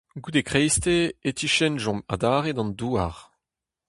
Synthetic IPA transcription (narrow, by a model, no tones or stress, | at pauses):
ɡudekχejst̪eet̪iʃɛnʒɔ̃ma̰daːʁedɑ̃nduːaʁ